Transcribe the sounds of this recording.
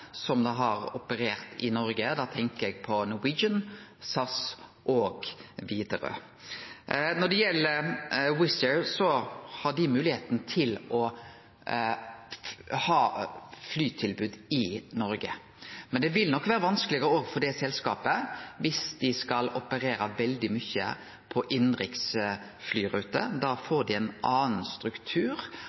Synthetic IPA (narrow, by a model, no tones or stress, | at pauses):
sɔmd̪ɑɦɑɾɔpəɾeːɾt̪ɪ̰nɔɾɡəd̪ɑːt̪ʰɛŋkəɾɛɡ̚pʰɔnʉwiːd͡ʒənsɑsʔoːɡ̥ʋiːd̪əɾø̰ː | nɔɖɛjɛlːəɾwɪsəɹsɔhɑɖɪmʉːlɪheːt̪nt̪ʰɪlɔ | hɑːflyːt̪ʰɪlbʉːd̪ɪnɔɾɡə | mɛnd̪ɛʋɪlnɔkːʋæːɾəʋɑnskəlɪɡəɾoːʋfɔɖɛsɛlskɑ̰ːpəʋɪsd̪̥ɪskɑlɔpəɾeːɾɑʋɛld̪ɪmʏçːə̰ | pʰɔʔɪnɾɪks | flyːɾʉːt̪ə̰d̪ɑːfoːɖɪɛnʔɑːn̩st̪ɾʉkt̪ʰʉːɾ